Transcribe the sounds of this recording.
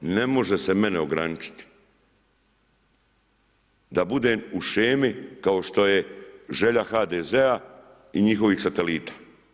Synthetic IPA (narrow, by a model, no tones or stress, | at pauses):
ne̞mo̞ʒe̞se̞me̞neo̞ɡɾanit͡ʃi̥t̪i̥ | d̪abud̪e̞ːmuʃeːmikao̞ʃt̪o̞je̞ʒe̞ʎaxaːd̪ezea | iɲixo̞ʋiːxsat̪e̞liːt̪ḁ